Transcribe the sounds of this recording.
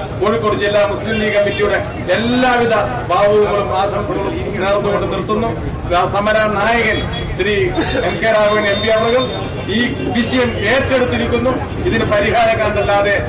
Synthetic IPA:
koːɻikːoɽut͡ɕːilːaːmuslimliːkɐmitːijuɽe̞ | elːaːʋid̪ʱɐ | baːʋuʋuŋːɐɭumaːsɐmɐsɐŋɐɭumiiŋːɐnɐːɾɐnːuɣoɳɖɨnirt̪ːunːu | asɐmɐɾaːnaːjɐɣɐl | ɕɾiemkeːɾaːʋiɳembijaːmɐɾum | iː | biɕɐjɐme̞ːtːe̞ɽut̪ːiɾikʲːunːu | iðinɨpɐɾiɦaːɾɐkʲːaːɳd̪ɐlːaːðe̞

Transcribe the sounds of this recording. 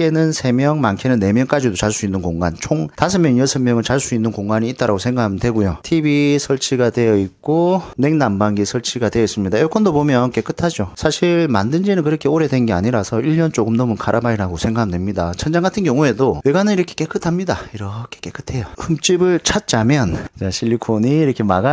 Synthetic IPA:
enɯnsʰe̞mjʌŋmankʰenɯnːe̞mjʌŋk͈ad͡ʑidot͡ɕaɭs͈uinːɯnkoŋɡant͡ɕʰoŋtasʰɯmjʌnjʌsʰemjʌŋɯnt͡ɕaɭs͈uinːɯnkoŋɡaɲiːt͈̚aɾaɡosʰeŋɡakʰamɯndwe̞ɡujotʰibisʰʌɭt͡ɕʰiɡadwe̞jʌik̚k͈one̞ŋnambaŋɡisʰʌɭt͡ɕʰiɡadwejʌis͈ɯmɲidajʌɭk͈ʌndopomjʌnk͈e̞k͈ɯtʰad͡ʑosʰaɕʰiɭma̰ndɯnd͡ʑenɯnkɯɾʌkʰeoɾe̞dwe̞nŋɡe̞a̰ɲiɾasʰʌiʎːʌnt͡ɕoɡɯmnʌmɯnkʰaɾʔabaiɾaɡosʰe̞ŋɡakʰmndwe̞mɲidat͡ɕʰʌnd͡ʑaŋɡatʰɯnkjʌŋue̞dowe̞ɡanɯniɾʌkʰe̥k͈e̞k͈ʰɯtʰamɲidaiɾʌkʰek͈e̞k͈ɯ̥tʰe̞jʌhɯmt͡ɕ͈ibɯɭt͡ɕʰat̚t͡ɕ͈amjʌnt͡ɕaɕʰiʎːikʰoɲiːɾʌkʰe̞maɡa

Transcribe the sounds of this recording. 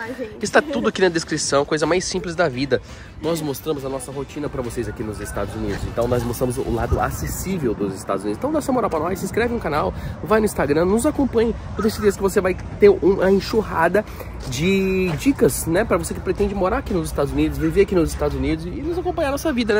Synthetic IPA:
ɪst̪at̪ud̪ʊakinɐd̪eskɾisɐ̃w̃kojzɐmajsĩplɪzd̪ɐvid̪ɐ | nɔzmost̪ɾɐ̃mʊzɐnɔsɐɦot͡ʃĩnɐpɾɐvosejzakinʊzɪst̪a̰d̪ʊzunid̪ʊsẽt̪ɐ̃w̃nɔzmost̪ɾɐ̃mʊzʊ̰la̰d̪ʊa̰sesivewd̪ʊzɪst̪a̰d̪zunid̪sẽt̪ɐ̃d̪asʊɐmoɾaɾpɾɐnɔjsĩskɾɛvɪũkanawvajnʊĩst̪aɡɾɐ̃nʊzakõpɐ̃ɲɐt̪od̪ʊesɪd̪eskɪvosevaj | t̪eɾũɐẽʃuɦa̰d̪ɐ | d͡ʒɪd͡ʒikɐsnɛpɾɐvosekɪ̥pɾet̪ẽnd͡ʒɪmoɾaɾakinʊzɪst̪ad̪ʊzunid̪ʊz̬viveɾakinʊzɪst̪ad̪ʊzunid̪ʊzɪnʊzakõpɐ̃ɲ̃anɔsɐvid̪ɐnɛ

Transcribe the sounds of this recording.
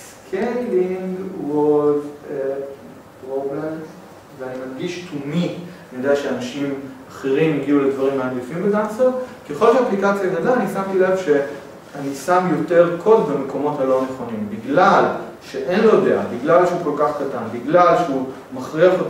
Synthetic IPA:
s | kʰenliŋɡwolv | pʁoblem | veanimanɡiʃtʰuminijod̪eaʃeanaʃimaχeʁimiɡiuledvaʁimaːnɡifimbedanseʁkeχo̞lʃeaplikat͡sjanadaːnisamtile̞vʃe̞ | anisamjo̞te̞ʁkʰo̞dbame̞ko̞mo̞thalo̞ne̞χo̞nimbiɡlalʃeʔe̞nlodea̰biɡlalʃeuko̞lkaχkatanbiɡlalʃeu | maχʁiaχo

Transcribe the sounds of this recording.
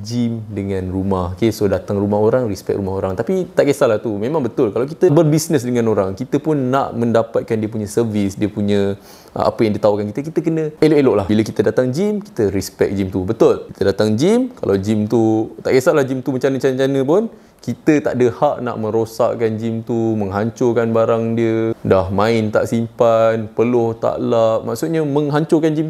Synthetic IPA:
d͡ʒimdəŋãnrumahkesodat̪aŋrumaɦoɾaŋrispɛ̰k̚ɾumaɦoɾaŋt̪apit̪aʔkesalaht̪umẽmãŋbət̪ʊlkalawk̬it̪əbərbisnəsdəŋãnoɾaŋkit̪əpʊnːa̰ʔmə̃ndapat̪̚kandiəpuɲãsərvisdiəpuɲə̰̃ | a̰pəjaŋdit̪aukankit̪ək̬it̪əkənə̃eloʔeloʔlahbiləkit̪ədat̪aŋd͡ʒimki̥t̪əɾispɛk̚d͡ʒimt̪ubət̪ʊlkit̪ədat̪aŋd͡ʒimka̰lʔawd͡ʒimt̪ut̪a̰ʔɡasaʔlahd͡ʒimt̪umət͡ʃanət͡ʃanət͡ʃanə̃pʊn | kit̪ət̪a̰ʔdəhaʔna̰ʔmə̃ɾosa̰ʔkand͡ʒimt̪umə̃ŋɦaɲt͡ʃokanbaɾaŋdiədahmãɪnt̪a̰ʔsimpanpəlʊht̪a̰laʔ̚maʔsut̪̚ɲaməŋɦaɲt͡ʃokand͡ʒim

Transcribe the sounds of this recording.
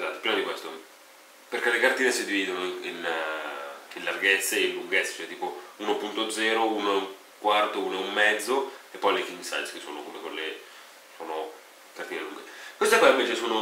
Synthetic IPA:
t̪aːt̪ːipɾimad̪ikwest̪o | peɾkelekart̪iːnesid̪iviːd̪onoin | inlarɡɛt̪sːeinluŋɡɛt̪sːe̥t͡ʃɔɛt̪iːpouːnopunt̪od̪zɛːɾouːnoeuŋ | kwart̪ouːnoeumːɛd̪zːoepːɔjlekiŋɡsa̰j̪skesːo̰ːnokomekolːe | soːno | kart̪iːnelṵŋɡekwest̪ekwaiɱveːt͡ʃesoːno

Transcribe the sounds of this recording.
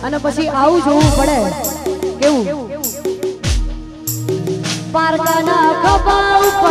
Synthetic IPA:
ənepət͡ʃʰiʔaʋũd͡ʒoʋũpəɽe | keʋũ | paɾkanakʰəpaʋup

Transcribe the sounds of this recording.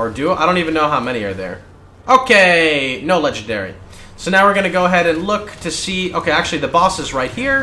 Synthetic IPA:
ə˞dʉaɪdõʊ̃ntivɨ̃nːoʊɦaʊmɛñiə̰˞ðə̰˞ | ʔoʊkʰeɪnoʊlɛd͡ʒɨ̃n̩dɛ̰ɹḭ | soʊnaʊwɨɹɡʌnɨɡoʊəɦɛɾɨ̃nlʊktʰɨsiʔo̰ʊkʰeɪæk̚t͡ʃʉl̩ˠiðɨbɔsɨzɹaɪt̚hiɹ

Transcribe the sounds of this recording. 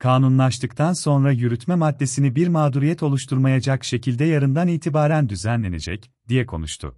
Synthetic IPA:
kʰaːnunlˠaʃt̪ʰɯkt̪ʰanso̞nɾajyɾyt̪mɛmad̪ːe̞sinibiɾmaːd̪uɾijɛt̪ʰo̞lˠuʃt̪ʰuɾmajad͡ʒakʃe̞cʰilʲd̪ɛjaɾɯnd̪aniːt̪ʰibaːɾænd̪yzænlʲe̞ne̞̰d͡ʒɛ̰c | d̪̥ijɛkʰo̞̰nṵʃt̪ʰʊ̰

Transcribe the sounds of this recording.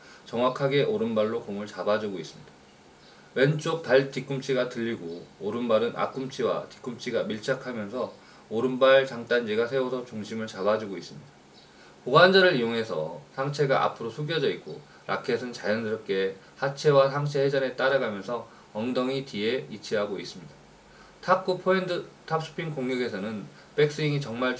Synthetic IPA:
t͡ɕʌŋwakʰaɡe̞ʔoɾɯnbaɭːokoŋɯɭt͡ɕabad͡ʑuɡois͈ɯmɲid̥ḁ | went͡ɕ͈ok̚paɭtik͈umt͡ɕʰiɡatɯʎːiɡooɾɯnbaɾɯnʔa̰k͈umt͡ɕʰiwa̰ti̥k͈umt͡ɕʰiɡamiɭt͡ɕʰakʰamjʌnsʰʌ | oɾɯnbaɭt͡ɕaŋt͈and͡ʑiɡasʰe̞osʰʌt͡ɕuŋɕʰimɯɭt͡ɕabad͡ʑuɡois͈ɯmɲid̥a | poɡand͡ʑʌɾɯɾijoŋɦe̞sʰʌ̰sʰaŋt͡ɕʰe̞ɡa̰ʔa̰pʰɯɾosʰuɡiʌd͡ʑʌik̚k͈o | ɾʔa̰kʰe̞sʰɯnt͡ɕajʌndɯɾʌp̚k͈e̞ | hat͡ɕʰe̞wasʰaŋt͡ɕʰe̞hed͡ʑane̞t͈aɾaɡamjʌnsʰʌ | ʌŋdʌŋitieit͡ɕʰiɦaɡois͈ɯmɲida | tʰap̚k͈upʰoendɯtʰap̚s͈ʰɯ̥pʰiŋkoŋɡʌɡe̞sʰʌnɯn | pe̞k̚s͈ɯiŋit͡ɕʌŋmaɭ

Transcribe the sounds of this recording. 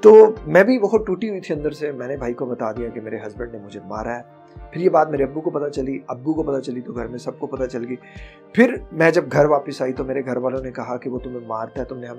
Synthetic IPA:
t̪oːmɛ̃ːbʱiʋɐɦʊt̪̚ʈuːʈiɦʊit̪ʰiɐ̃nd̪əɾsemɛ̃ːnebʱaːikobɐt̪ad̪ijakimeːɾeɦɐzbə̃ɳɖnemʊd͡ʒʱema̰ːɾaɦɛː | pʰɪɾjebaːt̪̚meːɾeɐbːukopɐt̪at͡ʃɐliɐbːukopɐt̪at͡ʃɐlit̪oɡʱɐɾmẽsɐb̚kopɐt̪at͡ʃɐlɡiː | pʰɪɾmɛ̃d͡ʒɐb̚ɡʱɐɾʋaːpəsaːit̪omeːɾeɡʱɐɾʋaːlõnekɐɦakiʋot̪ʊmẽmaːɾt̪aɦɛt̪ʊmneɦɐ

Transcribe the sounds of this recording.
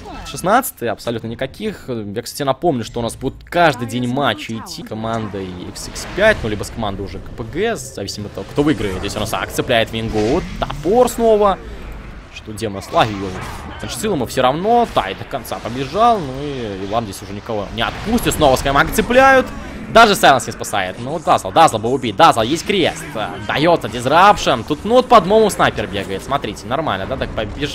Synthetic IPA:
ʂɨsnat̪sɨ̥t̪əjəɐpsɐlʲut̪nənʲɪkɐkʲixjaksat̪ʲɪnɐpo̞mnʲʊʂt̪oʊnasbudʲɪt̪kaʐd̪ɨjdʲenʲmat͡ɕːɪɪtʲːikɐmand̪əɛ̰ksɛkspʲætʲnulʲibəskɐmand̪əjʊʐɛɡəpəɡɛszɐvʲisʲɪməɐt̪ːɐvokt̪o̞vɨɡɾəɪt̪jʲesʲʊnasɐ̰kt̪sɨplʲæjɪt̪vʲɪnʲɡot̪t̪a̰porsnovə | ʂt̪odʲeməslˠɐvʲilˠ | nʂsʲilˠəmɨfsʲoɾɐvno̞t̪a̰jɪd̪əkant̪sa̰pəbʲɪʐalˠnuiɪlˠamzʲesʲʊʐɛnʲɪkɐvo̰nʲɪɐt̪pusʲtʲɪt̪sno̞vəskamɐkt̪sɨplʲæjʊt̪ | d̪aʐɨsajlʲˠənsʲnʲɪspasa̰jɪt̪novot̪d̪azllˠd̪azlˠəbɨʊbʲit̚ʲd̪azlˠjesʲtʲkɾʲḛst̪d̪ɐjo̞t̪sədʲɪzɾapʂɨnt̪ut̪nuot̪̚pɐd̪momʊsnajpʲɪrbʲeɡəjɪt̪smɐt̪ɾʲitʲɪnɐrma̰lʲnəd̪at̪ak̚pəbʲɪʐ

